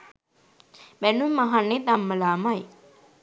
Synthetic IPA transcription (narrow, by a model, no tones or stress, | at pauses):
bænumːaɦanːed̪amːəlaːmaj